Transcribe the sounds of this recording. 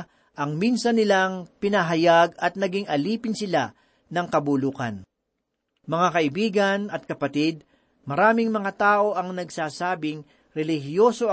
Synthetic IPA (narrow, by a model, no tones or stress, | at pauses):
ʔɐŋminsɐnːɪlaŋpɪnɐɦɐjaɡɐt̪̚nɐɡɪŋɐliːpɪnsɪla | nɐŋkɐbuluːkɐ̰n | mɐŋakɐʔɪbiːɡɐnɐt̪̚kɐpɐt̪id̪̚ | mɐɾaːmɪŋmɐŋat̪aːʔo̞ʔɐŋnɐɡsaːsaːbɪŋ | ɾɛlɪhjoso̞